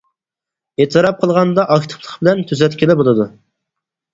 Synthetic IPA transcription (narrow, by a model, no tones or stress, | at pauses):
et̪ʰɨɾɑp̚qʰəlˠʁɑnd̪ɑʔɑkʲt̪ʰɨ̥pʰlˠəqbɪlɛnt̪ʰyzɛt̪kʲʰilɪbolˠɨd̪u